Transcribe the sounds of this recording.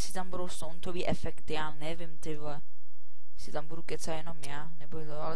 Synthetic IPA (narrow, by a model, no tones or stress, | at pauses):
ɛsɪt̪ambuɾowst̪ownt̪oviːʔɛfɛkt̪ɪjaːnɛvɪmt̪ɪblɛ | jɛsɪt̪ambudukɛt͡sajɛnomjaːnɛbot̪oalɛ